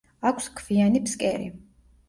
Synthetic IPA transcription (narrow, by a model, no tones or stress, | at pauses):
akʰskʰvianipskʼɛɾḭ